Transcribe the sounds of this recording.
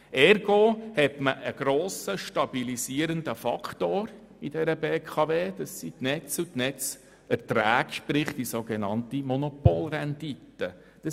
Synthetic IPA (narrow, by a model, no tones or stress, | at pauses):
ɛɾɡohɛtməʔəɡ̥ɾoːsəʃtɑb̥ilisiəɾəndəfɑkʰtoːɾ | id̥ɛɾəbeːkʰɑveːd̥̪ɑsːitnɛt͡sutnɛt͡s | ɛɾtræːkʃpɾɪχtisoɡɛnɑntimɔnopoːlrɛnditə | d̥ɑ